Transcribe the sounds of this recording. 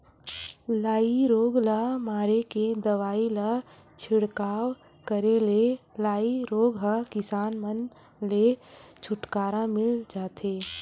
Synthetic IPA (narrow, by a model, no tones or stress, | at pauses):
laːiɾoːɡləmaːɾeked̪əʋaːilə | t͡ʃʰɪɽkaːw | kəɾelelaːiɾoːɡɦakɪsaːnmən | let͡ʃʰʊʈkaːɾãmɪld͡ʒaːt̪ʰeː